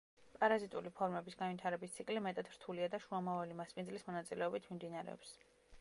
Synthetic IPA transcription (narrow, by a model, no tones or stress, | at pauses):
pʼaɾazit̪ʼulipʰɔɾmɛbisɡanvit̪ʰaɾɛbist̪sʰikʼlimɛt̪ʼad̪ɾt̪ʰuliad̪aʃuamavalimaspʼindzlismɔnat̪sʼilɛɔbit̪ʰmimd̪inaɾɛ̰ɔ̰ps